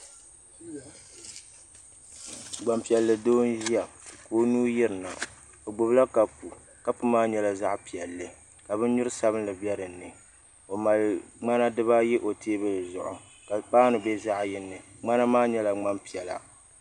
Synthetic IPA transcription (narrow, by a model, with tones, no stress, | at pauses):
ɡ͡ba˨mpi˨ɛ˨lːɨ˨doː˦n˦ʒi˦ja˨koː˦nuː˦ji˦ɾɨ˨na˨ | o˨ɡ͡bo˨bla˦ka˨pu˨ | ka˦pɨ˦maː˦ɲɛ˦la˨za˦ʔpi˨ɛ˨lːɨ˨ | ka˨bɨ˦n˦ɲʊ˦ɾɨ˦sa˦bɨ˦n˦lɨ˨bɛ˦ɾɨ˨nːɨ˨ | o˨ma˨lŋ͡ma˦na˦dɨ˦βa˦jɛ˦ʔo˨tʰeː˦bɨ˦lzʊ̰˨ʔʊ˨ | ka˨paː˦nɨ˨bɛ˦za˦ʔjɪ˦nːɨ˨ŋ͡ma˦na˦maː˦ɲɛ˦la˨ŋ͡ma˦mpi˨ɛ˨la̰˨